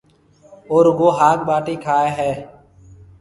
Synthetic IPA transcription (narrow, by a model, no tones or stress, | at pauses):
oːɾʋoːɦaːkɓaːʈiːkʰaːeːɦɛː